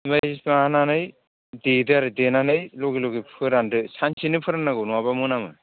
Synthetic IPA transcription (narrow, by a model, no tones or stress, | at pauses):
bajismaananɯj | dedɯaɾɯdenanɯjloɡilɔɡipʰɯɾandɯsansʰinɯpʰɯɾanːaɡɯwnɔabamɯnamɯ